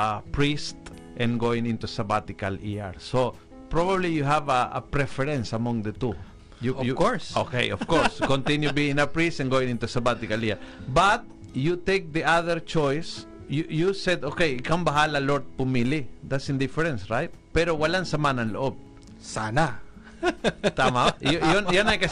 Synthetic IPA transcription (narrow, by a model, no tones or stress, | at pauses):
apɹist̪ | ʔɛ̃nɡoɪ̃ŋɪ̃nt̪usɐbat̪ɪkalia̰ɹso | pɹobablijuɦavɐɐ̰pɹɛfɛɹɛ̃nsɐmɔ̃ŋd̪ət̪u | jujkoɹsokḛjɔfkoɹskɔ̃nt̪ɪ̃njubiɪ̃ŋɐpɹist̪ɛ̃nɡowɪ̃ŋɪ̃nt̪usɐbat̪ɪkaliaɹbat̪̚ | jut̪ejk̚d̪iʔaðɛɹt͡ʃojs | jujusɛd̪okejkambɐɦalaloɹd̪̚pʊmilid̪at̪sɪ̃nd̪ɪfɛɹɛ̃nsɹajt̪̚pɛɾowɐlansɐmanɐ̃nloʔob̚ | sana | t̪amajjonjonajkɐ